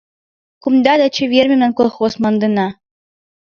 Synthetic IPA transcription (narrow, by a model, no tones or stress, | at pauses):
kumd̪ɑd̪ɑt͡ɕɘ̆vʲerʲmʲĕmnænkolˠχosmɑ̆nd̪ɤnɑ